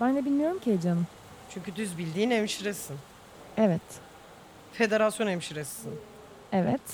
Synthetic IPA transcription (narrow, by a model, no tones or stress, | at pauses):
b̥ænd̪ɛbilʲmijo̞ɾumcied͡ʒanɯ | t͡ʃʰyɲʲcʰyd̪yzbilʲd̪iːnemʃiɾɛsin | ɛvɛt̪ | fe̞d̪eɾasjonemʃiɾɛsːin | ɛvɛt̪